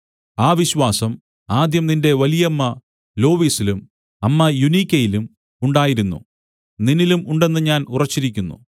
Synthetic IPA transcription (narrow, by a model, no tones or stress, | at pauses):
aːʋiɕwaːsɐm | aːd̪jɐmninde̞ʋɐlijɐmːɐ | lo̞ːʋiːsilum | ɐmːɐjunikʲːɐjilum | uɳɖaːjiɾunːṵ | ninilumuɳɖe̞nːɨɲaːnurɐt͡ɕːiɾikʲːunːṵ